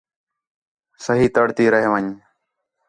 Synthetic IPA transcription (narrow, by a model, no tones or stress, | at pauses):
səɦiːt̪əɽt̪iːɾəɦeʋəɲ